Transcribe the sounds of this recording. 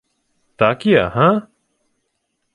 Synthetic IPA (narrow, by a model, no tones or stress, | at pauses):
t̪aːkija̰ɦã